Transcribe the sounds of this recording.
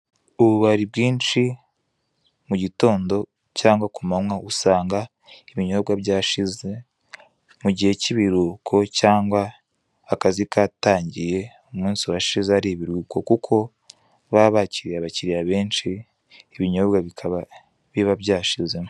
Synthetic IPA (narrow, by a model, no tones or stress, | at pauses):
uβuβaɾib̚ɡiːnʃi | muɟito̞ːndo̞ | caːŋɡwakumamwausaːŋɡa | iβiɲo̞bɡabɟaːʃize | muɟihe̞ciβiɾuːkʰo̞caːŋɡwaː | kazikaːtaːɲɟije̞ | umuːnsiwaʃizeaɾiβiɾwuːko̞kukʰo̞ | βaβaciɾijaβaciɾijaβeːnʃiː | βiɲo̞βbɡaβikʰaβa | βiβaβɟaːʃizem